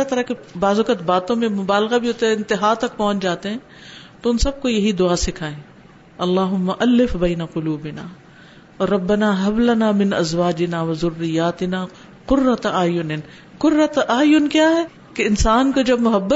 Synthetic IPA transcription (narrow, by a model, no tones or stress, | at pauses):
at̪ɐɾakebaːzʊkət̪baːt̪õmẽmʊbaːlɣabʱiɦoːt̪eɦɛɪ̃nt̪ɪɦaːt̪ɐk̚pɔ̃ːʊ̃t͡ʃd͡ʒaːt̪eɦɛ̃ː | t̪oʊnsɐb̚kojɐɦid̪ʊaːsɪkʰaːẽː | ɐlːaːɦʊmːɐʔɐlːɪfbɛːnɐqʊluːbɪnaː | ɾɾɐbːɐnaːɦɐblɐnaːmɪnɐzwaːd͡ʒɪnaːʋɐzʊrːɪjaːt̪ɪnaː | qʊrːɐt̪aːjʊnɪn | qʊrːɐt̪ʔaːjʊnkjaːɦɛː | keɪnsaːnkod͡ʒɐbmʊɦɐbːə